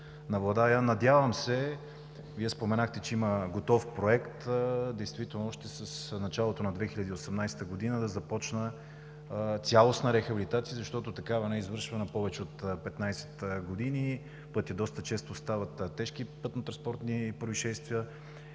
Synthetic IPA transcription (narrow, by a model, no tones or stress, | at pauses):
nɐvlˠɐd̪aanɐd̪ʲjavəmsɛ | viɛspomɛnaxt̪ɛt͡ʃɛiməɡot̪ɔfpɾoɛkt̪d̪ɛjst̪vit̪ɛlˠnoɔʃt̪ɛsəsnɐt͡ʃalˠot̪onɐd̪vɛxilʲəd̪iosɛmnajst̪əɡod̪inəd̪ɐzɐpɔt͡ʃnə | t̪sʲalˠosnəɾɛxɐbilit̪at̪sijəzɐʃt̪ɔt̪ot̪ɐkavɐnɛizvɤɾʃvɐnɐpɔvɛt͡ʃɛot̪pɛt̪najsɛ̥t̪ɡod̪ini | pɤt̪ʲəd̪ɔst̪ət͡ʃɛst̪ost̪avɐt̪t̪ːɛʃkipɤt̪not̪ɾɐnspɔɾt̪nipɾoiʃɛst̪viə